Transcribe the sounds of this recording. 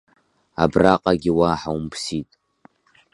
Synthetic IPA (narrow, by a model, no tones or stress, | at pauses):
abraqʼaɡʲiwaħawmpʰsitʼ